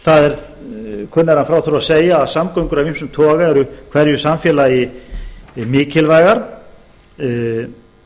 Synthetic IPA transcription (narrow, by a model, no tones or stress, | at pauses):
θaðɛɾ | kʰœnːaɛɾhanfɾawθɾuaseːjaːðsamkœɥjŋkʏɾavinmsʏmt̪ʰɔːɣaɛɾʏkʰv̥ɛɾjʏsamfjɛlajɪ | mɪːcɪlvaːjɣaɾ̥